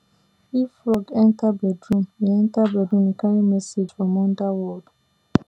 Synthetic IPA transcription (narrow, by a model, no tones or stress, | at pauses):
ifɾɔɡɛntabɛdɾũmiɛntabɛdɾũmikaɾimɛsed͡ʒfɔmɔndawɔd